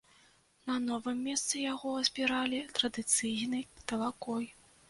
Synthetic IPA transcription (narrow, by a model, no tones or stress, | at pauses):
nɐnɔvɨmːʲɛst̪sɨjaɣɔɐzʲbʲiɾalʲit̪ɾɐd̪ɨt̪sɨjnɨjt̪ɐlˠakɔj